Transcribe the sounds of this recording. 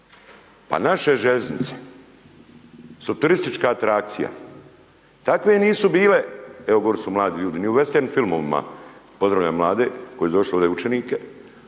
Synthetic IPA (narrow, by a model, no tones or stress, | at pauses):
pa̰naʃeʒeznit̪se̥ | sut̪uɾist̪it͡ʃkaat̪ɾak̚t̪sija̰ | t̪akʋe̞niːsubiːle̞eoɡoɾsumlaːd̪iʎuːd̪iniuʋest̪eɾnimfilˠmoʋima̰po̞zd̪ɾaʋʎajmlˠaːd̪e̞ko̞jed̪o̞ʃliod̪eut͡ʃeniːke